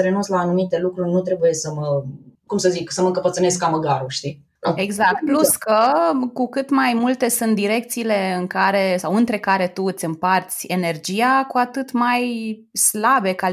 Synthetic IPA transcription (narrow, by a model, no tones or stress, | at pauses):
əɾe̞nunslaːnumit̪e̞lukɾurʲnut̪ɾe̞buje̞səməkumsəziksəməɨŋkəpət̪sɨne̞skːaməɡaɾuʃt̪i | nueɡzak̚t̪̚pluskəkukɨt̪majmult̪e̞sunt̪̚d̪iɾe̞k̚t̪siːle̞ɨŋkaɾe̞sawɨnt̪ɾe̞kaɾe̞t̪uɨt̪sʲɨmpart̪sʲe̞ne̞rd͡ʒiakuat̪ɨt̪maj | slabe̞ka